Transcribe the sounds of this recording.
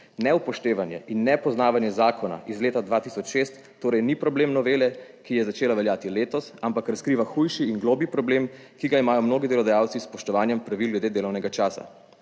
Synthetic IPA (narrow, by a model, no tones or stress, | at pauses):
nɛupɔʃt̪eːʋanjɛ̰ʔinːɛpɔznaːʋanjɛzaːkʰɔna̰ʔizleːt̪ad̪ʋaːt̪isɔt͡ʃʃest̪ːoːɾɛjnipɾɔbleːmnɔʋeːlɛkijɛzat͡ʃeːlaʋɛljaːt̪ileːt̪ɔsampakɾaskɾiːʋaxujʃiːnɡloːbipɾɔbleːm | kiɡaimaːjɔmnoːɡid̪ɛlɔd̪ajaːwt̪sispɔʃt̪ɔʋaːnjɛmpɾaʋilɡlɛd̪eːd̪eːlɔwnɛɡat͡ʃaːsa̰